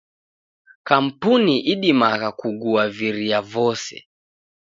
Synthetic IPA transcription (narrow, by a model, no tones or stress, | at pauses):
kam̩puniʔiɗimaɣakuɡuaviɾiavɔsɛ̰